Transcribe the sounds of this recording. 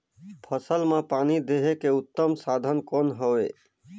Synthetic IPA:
pʰəsəlmãpaːnid̪eɦekeʊt̪ːəmsad̪ʱənkonɦəʋe

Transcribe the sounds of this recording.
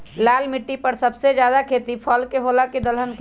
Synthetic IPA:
lalmiʈːipəɾsəbsed͡ʒjad̪akʰet̪ipʰəlkeɦolaked̪əlɦənke

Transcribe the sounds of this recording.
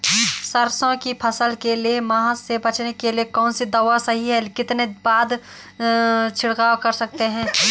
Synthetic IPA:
sɐɾsõkipʰɐsəlkeliemaːɦaebɐt͡ʃnekeliekɔːnsid̪ɐʋasɐɦiɦɛkɪt̪nebaːd̪ | t͡ʃʰɪɽɡaːkɐɾsɐk̚t̪eɦɛ̃ː

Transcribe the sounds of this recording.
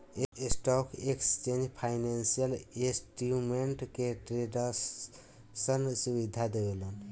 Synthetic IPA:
esʈɔkʰekst͡ʃend͡ʒpʰajnansijəlesʈjumeɳʈkeʈɾeɖə | sənsubid̪ʱad̪ebelon

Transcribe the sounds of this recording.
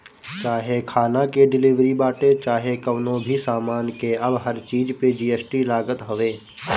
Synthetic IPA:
t͡ʃaːɦekʰaːnakeɖɪlɪʋɾibaːʈet͡ʃaːɦekɐʋnõbʱisaːmaːnkeɐbɦəɾt͡ʃiːd͡ʒped͡ʒiːesʈilaːɡət̪ɦoʋeː

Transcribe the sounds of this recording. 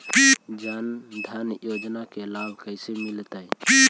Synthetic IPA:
pid͡ʒand̪ʱanjod͡ʒnakelabʱkəɪsemilt̪ajpi

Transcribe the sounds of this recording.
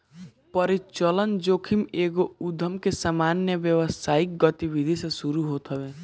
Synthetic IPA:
pəɾit͡ʃələnd͡ʒokʰimeɡoud̪ʱəmkesamanjəʋjəʋəsaːik̚ɡət̪ibid̪ʱisẽsuɾuɦot̪ɦəbe

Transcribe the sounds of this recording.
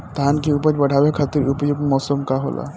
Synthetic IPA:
t̪aɦankiupəd͡ʒbəɽ̤ʱaʋekʰat̪iɾupəjuɡmɔsomkaɦo̰lʔa̰

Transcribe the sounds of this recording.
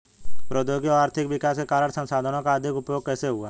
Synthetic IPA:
pɾoːd̪joːɡjɔːɾaːɾt̪ʰɪkʋɪkaːskekaːɾəɳsə̃nsaːd̪ʱənõkaɐd̪ʱɪkʊpjoːɡ̚kɛːseɦʊaː

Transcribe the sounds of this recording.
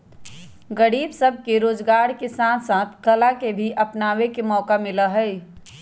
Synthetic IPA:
ɡəɽiːbsəb̚ʱkeɾoːd͡ʒɡaːɾkesãːsãːt̪ʰkəlakebʱiʔɐpnaːwekemɔːkamɪləɦɛɪ

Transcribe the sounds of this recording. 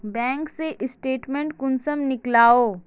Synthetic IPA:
bɛ̃ːŋkseʔɪsʈeːʈmẽɳʈkʊnsəmnɪklaːoː

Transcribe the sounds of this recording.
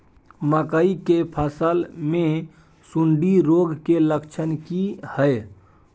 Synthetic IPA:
məkəikepʰəsəlme | suɳɖiɾoɡʱkeləkt͡ʃʰənkihəj

